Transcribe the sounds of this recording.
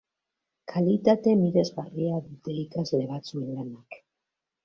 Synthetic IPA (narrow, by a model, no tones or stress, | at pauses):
kʰalit̪at̪e̞miðe̞zɣariaðut̪eikazle̞βat͡suenlanak